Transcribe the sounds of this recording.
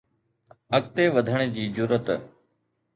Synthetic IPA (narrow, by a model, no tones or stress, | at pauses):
əkt̪eːʋəd̪ʱəɽ̃ed͡ʑiːd͡ʑʊɾət̪